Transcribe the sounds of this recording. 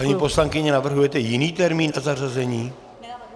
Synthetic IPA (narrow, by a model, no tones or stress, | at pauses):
aɲipo̞slaŋkɪɲɛnavr̩ɦujɛt̪ɛjɪniːt̪ɛɾmiːnʔazarazɛɲiː